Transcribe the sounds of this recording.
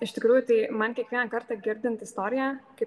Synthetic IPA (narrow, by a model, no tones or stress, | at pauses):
ɪʃt̪ʲɪkɾuːjʊt̪ɐɪmɐnkʲiɛkʋʲiɛnɐkɐɾt̪ɑɡʲɪɾʲd̪ʲɪnt̪ɪst̪oːɾʲɪjæːkʲɪ